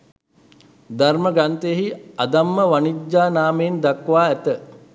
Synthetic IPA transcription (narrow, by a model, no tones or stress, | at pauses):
d̪arməɡant̪əjəɦiad̪amːəʋanid͡ʒaːnaːmeːnd̪akʋaːæt̪ə